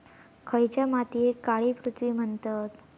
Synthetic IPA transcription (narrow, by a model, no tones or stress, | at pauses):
kʰəjt͡ɕjamat̪ijekaɭiːpɾut̪ʰʋiːm̤əɳt̪at̪